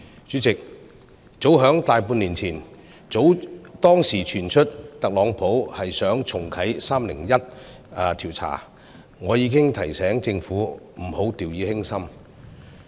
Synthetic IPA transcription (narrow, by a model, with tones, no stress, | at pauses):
t͡ʃyː˨˥t͡sɪ˨k̚ | t͡so˨˥wɦœː˨˥ŋt̪aː˨jpuː˧nliː˨˩nt͡sʰiː˨˩n | t͡so˨˥wt̪ɔː˥ŋsiː˨˩t͡ʃʰyː˨˩nt͡ʃʰɵ˥t̚t̪ɐ˨k̚lɔː˨˥ŋpʰo˨˥whɐ˨jsœː˨˥ŋt͡sʰʊ˨˩ŋkʰɐ˨˥jsaː˥mlɪ̰˨˩ŋjɐ˥t̚ | ɐ˧t̪ʰiː˨˩wt͡sʰa̰ː˨˩ | ŋɔː˨˧jiː˨˧kɪ˥ŋt̪ʰɐ˨˩jsɛː˨˥ŋt͡sɪ˧ŋfuː˨˥m̩˨˩ho˨˥wt̪iː˨wjiː˨˥hɪ˥ŋsɐ˥m